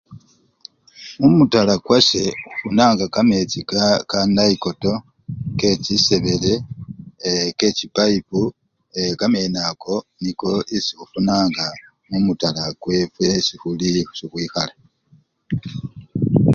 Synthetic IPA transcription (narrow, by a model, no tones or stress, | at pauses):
umutalakwase̞xu̥funaːŋɡakame̞t͡sikakanaiko̞to̞ | ke̞cise̞βe̞le̞ | ke̞cipaipu | ekame̞nako̞niko̞ʔisixufunaːŋɡa | mumutalakwe̞fwesixulisixwiːxala